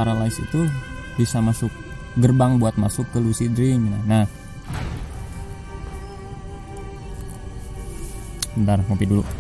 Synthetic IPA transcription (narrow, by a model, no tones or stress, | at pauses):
aɾalaisḭt̪u | bisamasʊk̚ | ɡərbaŋbuat̪̚masʊkːəlusidɾɪŋnanah | əndarmopidulṵ